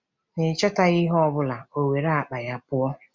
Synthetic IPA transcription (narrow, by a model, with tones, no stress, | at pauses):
nɪ˨t͡ʃa˦ta˦ɣɪ˦ɦɔ˦bʊ˦la˨o˨we˨ɾa˦a˨k͡pa˨ja˦pʊ˦ɔ˦